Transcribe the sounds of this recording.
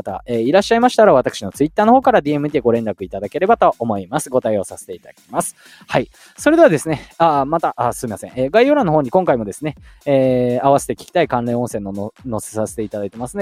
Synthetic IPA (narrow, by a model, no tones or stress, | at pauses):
t̪a̰eːiɾaɕːaimaɕi̥t̪aɾaβat̪akɯ̟ɕino̞t͡sɨit̪ːaːnoho̞ːkaɾad̪ʲiːemɯ̟t̪ʲiɡo̞ɾẽ̞nɾakɯ̟it̪ad̪ake̞ɾe̞bat̪o̞ʔːmo̞imasɨ̥ɡo̞t̪aio̞sase̥t̪e̞it̪aakʲi̥masɨ̥ | hai | so̞ɾe̞d̪e̞βad̪e̞sɨneamat̪aʔasɨmimasẽeːɡaijoɾãnːooːɲ̟ikõ̞ŋkaimo̞d̪e̞sɨne̞eːaβase̞̥t̪e̞kʲi̥kʲi̥t̪aikãnɾẽ̞õsẽnːo̞ono̞se̥sase̞̥t̪eit̪ad̪ait̪e̞masɨn